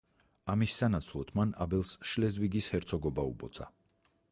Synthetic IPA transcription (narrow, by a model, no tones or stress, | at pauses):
amisːanat̪sʰlˠɔt̪ʰmana̰bɛlˠsʃlɛzviɡishɛɾt̪sʰɔɡɔbaṵbɔt̪sʰʼa̰